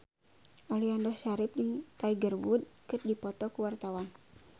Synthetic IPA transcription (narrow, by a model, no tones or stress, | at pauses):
ʔɔliandɔhsaɾɪp̚d͡ʒɨŋt̪aiɡərwud̪̚kɨt̚dipɔt̪ɔkuwart̪awan